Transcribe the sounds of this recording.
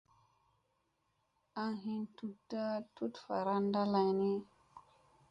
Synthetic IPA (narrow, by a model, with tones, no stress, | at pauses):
a˦ɦi˦ntu˨tːa˦tu˦tfa˨ɾa˦nda˦la˧jni˦